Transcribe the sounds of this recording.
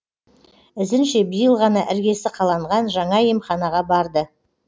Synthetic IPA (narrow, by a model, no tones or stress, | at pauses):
ɪzɪnʃe̞bijəlˠʁɑnɑʔɪɾɡʲe̞sɪqʰɑlˠɑɴʁɑnʒɑɴɑjemχɑnɑʁɑbɑɾd̪ə